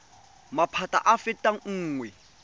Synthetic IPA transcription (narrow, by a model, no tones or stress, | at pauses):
mapʰatʼa̰ʔafɛtʼaŋ̩ːŋwɛ